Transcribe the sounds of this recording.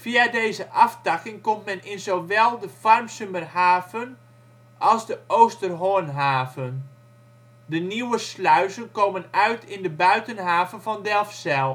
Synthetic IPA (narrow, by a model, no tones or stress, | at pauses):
fiadeːzəʔɑftɑkɪŋkomtmɛnɪnzoʋɛlˠdəfɔrmsømərhaːvən | ʔɑlˠzdəʔowstərɦoənɦaːvən | dəniwəslœɥzənkoːmənœɥtʰɪndəbœɥtənɦaːvənfɔndɛlˠfsɛlˠ